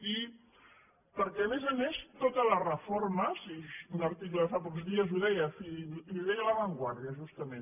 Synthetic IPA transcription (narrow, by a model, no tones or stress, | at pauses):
i | pəɾkɛəmezəmest̪ot̪ələrəfoɾməsiunəɾt̪ikləðəfapɔkzðiəzuðɛjəfiliðɛjələβəŋɡwaɾðiəʒust̪əmẽn